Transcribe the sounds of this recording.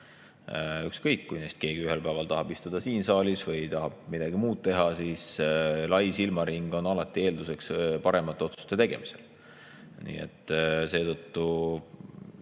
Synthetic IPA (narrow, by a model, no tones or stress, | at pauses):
ykskɤjkːujnesʲt̪̚ke̞ːɡ̥iyɦe̞lpæeɑlt̪ɑɦɑb̥ist̪ud̪̥ɑsiːnsɑːlʲisvɤjt̪ɑɦɑb̥mid̪̥ɑɡ̥imuːd̪̚t̪e̞ɦɑsiːslɑjsilmɑɾiŋɡ̥o̞nɑlɑt̪ːˑie̞ːld̪use̞kspɑɾe̞mɑt̪ːˑeo̞t̪su̥st̪e̞t̪e̞ɡ̥e̞̰mise̞̰l | nḭːḛt̪ːˑse̞ːt̪ɤt̪ːu